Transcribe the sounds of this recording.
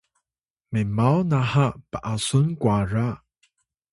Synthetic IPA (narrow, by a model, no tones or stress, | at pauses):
memawnaɦapəʔasʊnkwaɹa